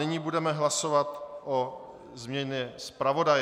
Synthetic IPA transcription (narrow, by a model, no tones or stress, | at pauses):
ɪɲiːbudɛmɛɦlasovat̪ʔo | zmɲɛɲɛspɾavo̞daj